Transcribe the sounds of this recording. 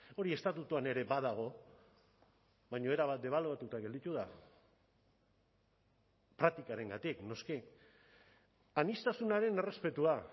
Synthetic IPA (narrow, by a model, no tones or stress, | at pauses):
o̞ɾie̞st̪at̪ut̪uane̞ɾe̞baðaɣ̞o̞ | βajɲo̞e̞ɾaβat̪̚d̪e̞β̞aluat̪ut̪aɡe̞ld̪it̪uða | pɾak̚t̪ikaɾe̞ŋɡat̪ikno̞ski | anist̪asunaɾe̞ne̞re̞spe̞t̪ua